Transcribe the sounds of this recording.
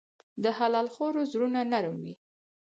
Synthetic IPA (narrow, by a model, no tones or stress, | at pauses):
d̪əhalɑlxoɾozɾunanaɾumwi